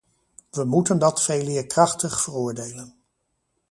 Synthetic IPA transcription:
ʋəmutəndɑtfejlɪːɹkrɑχtəχfərʊːɹdejlən

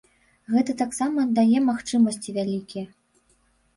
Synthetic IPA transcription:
ɣɛt̪ɐt̪aksamɐd̪ajɛmaxt͡ʂɨmɐsʲt͡sʲivʲalʲikʲijɐ

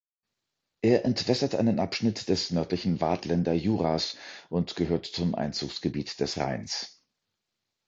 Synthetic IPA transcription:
ʔeːɐʔɛntv̥ɛsɐtʔa̰ɪnənʔa̰pʃnɪtd̥ɛsnœɐtlɪçn̩va̰ːtʰlɛndɐjuːʁaːsʔʊntɡ̥əɦøːɐtt͡sʊmʔa̰ɪnt͡suːksɡ̥əbiːtd̥ɛsʁa̰ɪns

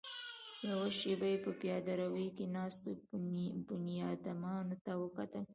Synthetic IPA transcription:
jawaʃebajepəpjɑd̪aɾawejkenɑst̪obʊnjɑd̪amɑnot̪awəkat̪əl

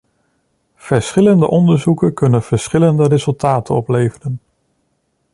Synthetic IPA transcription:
v̥əɹsχɪləndə̰ʔɔndəɹzukənkɵnənv̥əɹsχɪləndəɾezɵlˠtaːtənɔplejvərən

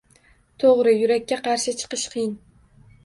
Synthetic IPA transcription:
t̪ʰoʁɾɪjʊɾakʲːaqʰɑɾʃɪt͡ʃʰɨ̥qɨʃqʰɨjɪn

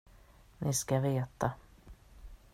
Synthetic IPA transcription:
nʔɪskaveːt̪a

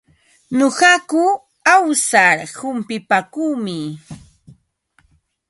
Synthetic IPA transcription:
ɲoɢɑkʊ | awsaɾhʊmpɪpakuːmɪ

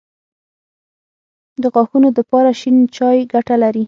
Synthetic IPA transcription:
d̪əɣɑxunod̪əpɑɾaʃint͡ʃɑjɡaʈalaɾi

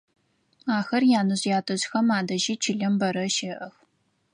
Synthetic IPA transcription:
aːxɐrjaːnɨɕjaːtʰɐɕxɐmaːdɐʒiːt͡ʃʰɪɮɐmbɐɾɐʃɐʔɐx

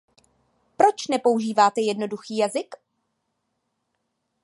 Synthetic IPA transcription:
pɾo̞t͡ʃnɛpo̞wʒiːvaːt̪ɛjɛdno̞duxiːjazɪk

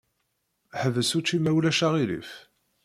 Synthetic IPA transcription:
ħəvəsut͡ʃːimæwlæʃaʁilḭf

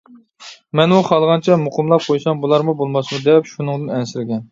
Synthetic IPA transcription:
mɛnwuχʰɑlˠʁɑnt͡ʃʰɛmʊqʰəmlˠɑq̚qʰojsɑmbulˠɑɾmubolˠmɑsmud̪ɛpʃunɨŋd̪ɨnɛnsɪɾɪɡʲɛn

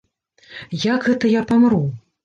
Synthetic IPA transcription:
jakɣɛt̪ɐjapamɾu

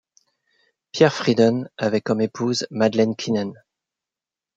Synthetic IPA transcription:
pjɛʁfχid̪ɔnavɛkɔmepʰuzmad̪lɛnkʰʲinɛn

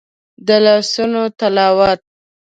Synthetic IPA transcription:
d̪əlɑsunot̪alɑwat̪̚

